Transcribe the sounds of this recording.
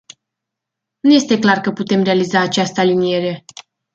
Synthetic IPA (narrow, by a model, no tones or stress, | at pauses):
nuje̞st̪e̞klarkəput̪e̞mre̞alizaːt͡ʃast̪əalinije̞ɾe̞